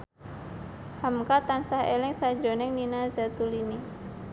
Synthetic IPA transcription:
hamkat̪ansahḛlɛŋsad͡ʒɾo̤nɛŋninazat̪ulini

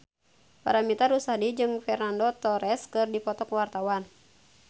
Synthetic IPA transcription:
pa̰ɾamit̪aɾusadid͡ʒɨŋfɛrnandot̪ɔɾɛskɨrdipɔt̪ɔkwart̪awan

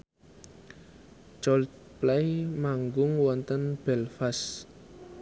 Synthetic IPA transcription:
d͡ʒɔl | plajmaŋɡʊŋwɔnt̪ənb̥ɛlfas

